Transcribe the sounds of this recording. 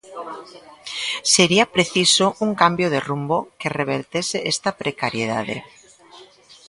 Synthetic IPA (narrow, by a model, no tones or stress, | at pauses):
seɾiapɾeθisouŋkambjoð̞erumbokereβ̞eɾt̪eseʔest̪apɾekaɾjeð̞a̰ðḛ